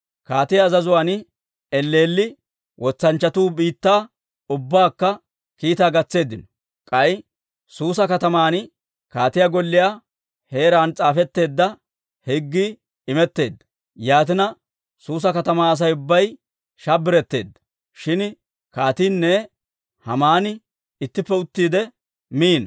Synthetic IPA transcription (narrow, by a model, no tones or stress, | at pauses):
kaːt̪ɪjaːzɐzʊwaːn | ɛlːe̞ːlːɪ | wʔɔt͡sːɐnt͡ʃːɐt̪uːbiːt̪ːaː | ʊbːaːkːɐ | kiːt̪aːɡɐt͡sːe̞ːd̪ɪnɔ | kʼɐj | suːsɐkɐt̪ɐmaːn | kaːt̪ɪjaɡɔlːɪjaː | he̞ːɾaːnt͡sʼaːfɛt̪ːe̞ːd̪ːɐ | hɛɡːi | ɪmɛt̪ːe̞ːd̪ːɐ̥ | jaːt̪ɪnɐ | suːs̬ɐkɐt̪ɐmaːɐs̬ɐjʊbːɐj | ʃabɪɾɛt̪ːe̞ːd̪ːɐ̥ | ʃɪn | kaːt̪iːnːɛ | hɐmaːnɪ | ɪt̪ːɪpːɛʊt̪ːiːd̪ɛ | miːn